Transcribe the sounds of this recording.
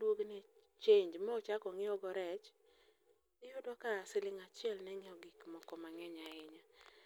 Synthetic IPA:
dwoɡnɛ | t͡ʃeɲd͡ʒmɔot͡ʃakɔŋɪɔɡɔɾɛt͡ʃ | ɪjʊdwɔkasɪlɪŋat͡ʃɪɛlnɛŋɪɔɡikmɔkɔmaŋɛɲaɪɲa

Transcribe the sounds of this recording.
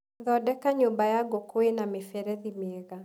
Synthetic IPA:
ðɔdɛkaɲombajaɡokoenamefɛɾɛðimɛɣa

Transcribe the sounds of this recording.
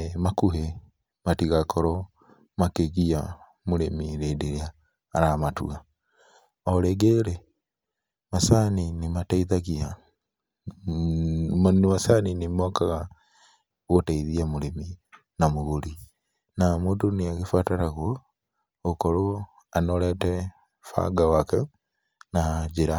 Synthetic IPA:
makuɦɛ | matiɣakʰɔɾɔ | makeɣia | moɾemiɾedeɾeaː | ɾamatua | ɔɾɛɡɛɾɛ | masaninimataiðaɣia | mnimasaninimokaɣa | ɣotaiðiamulemi | namuɣuli | namuːtuniakifataɾaɣwo | kolo | anolete | fa̰ɡawake | naɟiɾa

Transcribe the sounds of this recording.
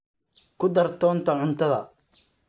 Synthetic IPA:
kʰʊd̪ɐrt̪ʰɔːnt̪ʰɐʕʊnt̪ʰɐðɐ̰

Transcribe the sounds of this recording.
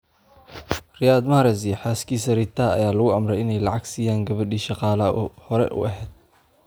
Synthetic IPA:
rɪjaːd̪maːɾɛziħaːskʰiːsɐɾit̪ʰaːɐ̰jaːlɐɣʊɐmɾɛjɪnɛjlɑʕɑɡsiːjaːŋɡɐβɐɖiːʃɑqɑːlɐʔɔ̰hɔɾɛ̰ʔʊ̰ʔɐɦɛːd̪̚

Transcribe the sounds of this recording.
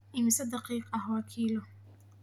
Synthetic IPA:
ʔɪmɪsɐd̪ɑqiːqɐhwɑkʰiːlɔ

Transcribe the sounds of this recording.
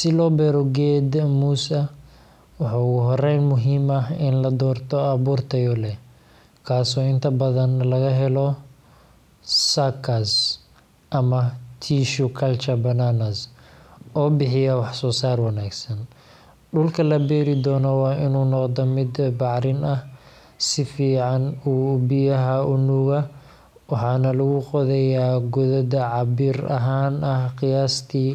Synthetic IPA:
sɪlɔːbɛːɾɔɡɛːd̪muːsɐ | wɑħɑːʊɣʊɦɔrɛjnmʊɦiːmɐɦɪnlɐd̪ɔːrt̪ʰɔɐβuːrt̪ʰɐjɔlɛ | kʰaːsɔːɪnt̪ʰɐbɐðɐnlɐɣɐɦɛlɔ | sakʰɐs | ʔɐmɐt̪ʰiːʃʊkʰɐlt͡ʃɐbɐnanɐs | ɔːbɪħɪjɐwɑħsɔːsaːrwɑnaːɡsɐn | ɖʊlkʰɐlɐbɛːɾɪd̪ɔːnɔwɑːʔɪnuːnɔqd̪ɔmɪd̪bɑʕɾɪnɐh | sɪfiːʕɑnuːbɪjɐɦɐʔʊnuːɣɐ | wɑħɑːnɐlɐɣʊqɔðɛjaːɡʊðɐdɐʕɑbɪːrɐɦaːnʔɐhqɪjaːst̪ʰiː

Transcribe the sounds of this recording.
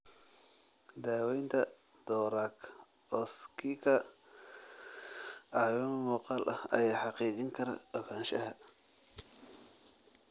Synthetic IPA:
d̪aːwɛjnt̪ʰɐ | d̪̥ɔːɾaːkʰ | ɔskʰikʰɐ | ɑʕwɛmmuːqɑːlʔɐ̰hɐ̰jaːħɑqiːt͡ʃɪŋkʰɐɾɐ̰ʔɔkʰaːnʃɐɦɐ

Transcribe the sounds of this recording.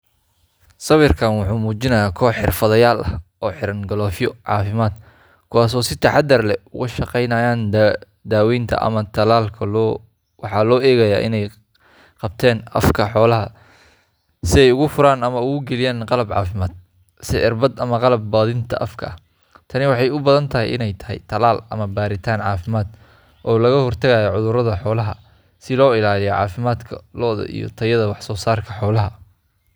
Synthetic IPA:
sɐβɪrkʰaːnwʊħuːmuːt͡ʃɪnɐjaːkʰɔːħɪ̰rfɐðɐjaːlʔɐh | ɔːħɪɾɐŋɡɐlɔːfɪjɔʕɑ̰ːfɪmaːd̪ | kʰʊwɑːs̬ɔːsɪt̪ʰɐħɑd̪ɐrlɛʊ̰ɣʊʃɐqɛjnɐːjaːn | d̪aːwɛjnt̪ʰɐ̰ʔɐ̰mɐt̪ʰɐlaːlkʰɐlː | wɑħɑːlɔːʔɛːɣɐjaːʔɪ̰nɛj | qɑb̚t̪ʰɛːnɐ̰fkʰɐħɔːlɐɦɐ | sɪɛjʊɣʊfʊɾaːnɐmɐʊɣʊɡɛlɪjaːnqɑlɐbʕɑ̰ːfɪmaːd̪̚ | sɪʕɪrbɐd̪ɐmɐqɑlɐb̚ːaːðɪnt̪ʰɐ̰ʔɐfkʰɐ̰ɐ̰h | t̪ʰɐnɪwɑħɑjʊbɐðɐnt̪ʰɐɦɛjɪ̰nɛjt̪ʰɐ̥ɦɛ̰jt̪ʰɐlaːlɐ̰mɐbaːɾɪt̪ʰaːnʕɑːfɪmaːd̪̥ | ʔɔːlɐɣɐhɔrt̪ʰɐɣaːjɔʕʊðʊɾɐðɐħɔːlɐɦɐ | sɪlɔːɪlaːlɪjɔʕɑ̰ːfɪmaːd̪kʰɐlɔːðɐ̰ʔḭjɔ̰t̪ʰɐjɐðɐwɑħsɔːsaːrkʰɐħɔːlɐɦɐ

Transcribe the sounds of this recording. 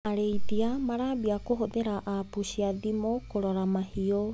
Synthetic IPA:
aɾejtiamaɾabiakoɦodeɾaʔapusiadimokoɾaɾamahio

